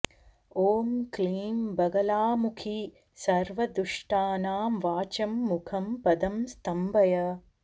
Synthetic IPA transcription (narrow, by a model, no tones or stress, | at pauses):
oːmkliːmbɐɡɐlaːmukʰi | sɐɾʋɐd̪ɾuʂʈaːnaːmʋaːt͡ʃɐmːukʰɐmpɐd̪ɐmst̪ɐmbʱɐjɐ